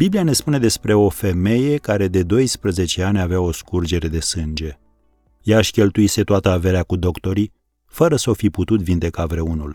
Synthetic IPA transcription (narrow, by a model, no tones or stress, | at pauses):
b̥iblijane̞spune̞d̪e̞spɾe̞o̞fe̞me̞je̞kaɾe̞d̪e̞d̪o̞jspɾəze̞t͡ʃe̞anʲaveao̞skurd͡ʒe̞ɾe̞d̪e̞sɨnd͡ʒe̞ | jaʃʲkʲe̞lt̪uise̞t̪oat̪əave̞ɾeakud̪o̞kt̪o̞ɾi | fəɾəsofiput̪ut̪vind̪e̞kavɾe̞unul